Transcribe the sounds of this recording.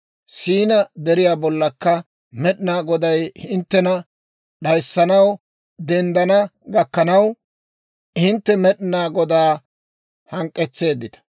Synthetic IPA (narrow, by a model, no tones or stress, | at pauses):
siːnɐd̪ɛɾɪjaːbɔlːɐkːɐ | mɛɗɪnaːɡɔd̪ɐjhɪnt̪ːɛnɐ | ɗɐjsːɐnɐw | d̪ɛnd̪ɐnɐɡɐkːɐnɐw | ɪnt̪ːɛmɛɗɪnaːɡɔd̪aː | hɐŋkʼːɛt͡sːe̞ːd̪ːɪt̪ɐ̥